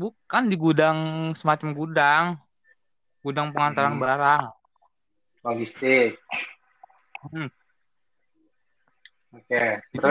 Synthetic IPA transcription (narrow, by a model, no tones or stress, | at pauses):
bukandiɡudaŋsəmat͡ʃamɡudaŋ | ɡ̥udaŋpəŋant̪aɾanbaɾaŋ | waɡist̪ɪk̚ | okeɾ